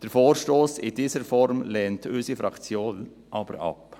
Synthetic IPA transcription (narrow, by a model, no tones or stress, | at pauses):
d̥əɾfoːɾʃtoːsɪdiːzəɾfɔɾmlɛːntʰʏsifɾɑkt͡sjoːn | ʔɑb̥ə̰ɾɑ̰p